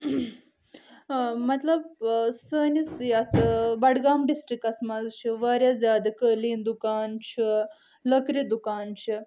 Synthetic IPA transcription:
mɐt̪lɐbsəːnisjɐt̪ʰɨbɐɽɡaːmɖisʈɾikɐsmɐzt͡ʃʰiʋaːɾʲjazʲjaːd̪ɐkəliːnd̪ukaːnt͡ʃʰi | lɐkɾid̪ukaːnt͡ʃʰi

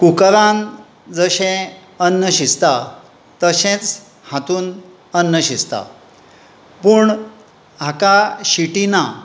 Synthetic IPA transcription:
kukɾãn | d͡zəɕẽ | ənːəɕist̪a | t̪əɕẽt͡s | hat̪uːn | ənːəɕist̪a̰ | puɳ | ɦakaɕiʈina

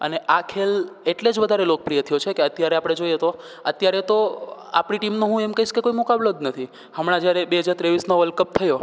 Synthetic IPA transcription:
ə̰neʔakʰeleʈled͡ʒʋəd̪ʱaɾelok̚pɾijət̪ʰjot͡ʃʰekeət̪jaɾeapɽ̃ed͡ʒojet̪o | ət̪jaɾet̪oa̰pɽ̃iʈimnoɦũemkəɦiʃkekoimukablod̪nət̪ʰi | həmɽ̃ãd͡ʒjaɾebeɦəd͡ʒaɾt̪ɾeʋisnoʋəlkəp̚t̪ʰəjo

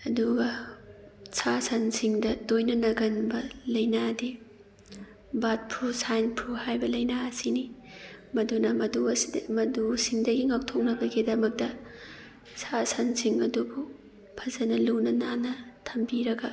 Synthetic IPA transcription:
ɐduɡɐ | sʰasansiŋdɐdojnɐnɐɡɐnbɐlɐjnadi | bat̚pʰɾusajnpʰuhajbɐlɐjnaɐsinimɐdunɐmɐduɐsdmɐdusiŋdɐɡiŋak̚tʰok̚nɐɡɐɡidɐmɐk̚tɐ | sʰasansiŋɐdubu | pʰɐzɐnɐlunɐnanɐtʰɐmbiɾɐɡɐ

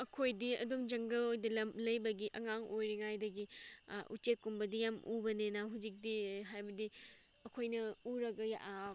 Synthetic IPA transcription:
ɐkʰojdiɐ̰dumd͡ʒɐŋɡɐlojdɐlɐmlɐjbɐɡiʔɐŋaŋojɾiŋajdɐɡiṵt͡ʃekːumbɐdijamubɐnenaɦud͡ʒik̚diɦajbɐdi | ɐkʰojnɐuɾɐɡɐja̰ʔa

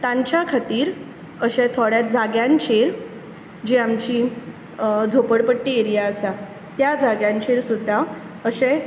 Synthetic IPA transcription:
t̪ãɲt͡ɕjakʰat̪iːɾ | əɕẽt̪ʰoɽjad͡zaɡjãɲt͡ɕʰeɾ | d͡ʑeamt͡ɕiː | d͡zʱopəɽpəʈːieɾijaəsa | t̪jad͡zaɡjãɲt͡ɕʰeɾsud̪ʱːa | əsẽ

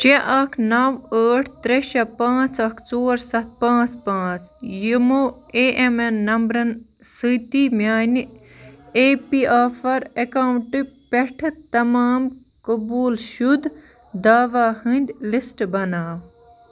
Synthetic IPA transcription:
t͡ʃeʔɐkʰnɐʋəːʈʰt̪ɾeʃɐpãːt͡sɐkʰt͡soːɾsɐt̪̚ʰpãːt͡spãːt͡sjimoː | eːʔemenːɐmbɾɐn | sɨt̪imjaːn | eːpiaːfɐɾekaːwɳʈɨpɛʈʰt̪ɐmaːm | kɐbuːlʃud̪ | d̪aːʋaːhɨnd̪ʲlisʈbɐnaːʋ

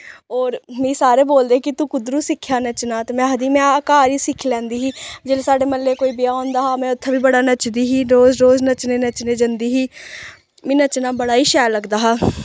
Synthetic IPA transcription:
ɔːɾmĩːsaːɾeːboːld̪eːkɪt̪ũːkʊd̪ɾuːsɪkʰːjaːnət͡ʃnaːt̪emɛ̃ːɦəd̪iːmɛ̃ːəkaːɾiːsɪkʰːlɛ̃ːnd̪iːɦiːd͡ʒeːleːsaːɖeːməlːeːkoːiːbɪjaːõːnd̪aːɦaːmɛ̃ːʊt̪ʰːebʱiːbəɽaːnət͡ʃd̪iːɦiːɾoːzɾoːznət͡ʃneːnət͡ʃneːd͡ʒənd̪iːɦiː | mĩːnət͡ʃnaːbəɽaːiːʃɛːɾləɡd̪aːɦaː

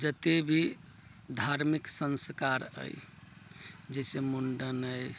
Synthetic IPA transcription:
d͡ʒət̪ebʱi | d̪ʱaɾmiksə̃nskaɾə̰j | d͡ʒəjsemuɳɖənəj

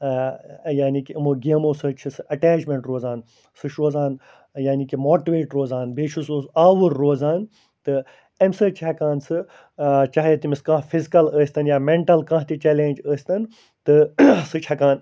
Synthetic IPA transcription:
jaːnikimoːɡʲeːmoːsɨːt͡ʃʰisɨʔɐʈeːt͡ʃmẽɳʈɾoːzaːn | sɨʃɾoːzaːn | jaːnikimoːʈiʋeːʈɾoːzaːnbeːt͡ʃʰusoːsaːʋuɾːoːzaːn | t̪ɨ | emsəːt͡ʃʰɐkaːnsɨ | t͡ʃaːɦjet̪imiskãːpʰizikɐləːsʲt̪ɐnjaːmeɳʈɐlkãːɦt̪it͡ʃɛːlẽːnʲd͡ʒəːsʲt̪ɐn | t̪ɨsɨt͡ʃʰɐkãːn

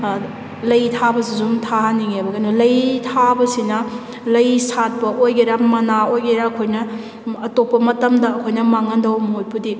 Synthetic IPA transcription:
lɐjtʰabɐsizumtʰaɦaniŋebɐɡɐnulɐjtʰabɐsinɐ | lɐjsat̚pɐʔojɡeɾɐmɐnaojɡeɾɐːkʰojnɐː | topːɐmɐtɐmdɐːkʰojnɐmaŋɐndɐwmojpudi

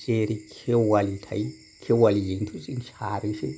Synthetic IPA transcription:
sʼeɾikʰewalitʰa̰i | kʰewalijintʰusʼinʃaːɾinʃḛ

